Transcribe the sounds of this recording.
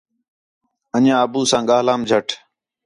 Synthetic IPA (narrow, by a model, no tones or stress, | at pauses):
əɲãːəbuːsãːɠaːlaːmd͡ʒʱəʈʰ